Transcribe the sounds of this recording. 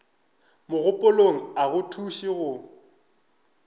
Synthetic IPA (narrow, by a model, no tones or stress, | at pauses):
mʊɣʊpʼʊloŋ̩aɣʊtʰuʃiɣʊ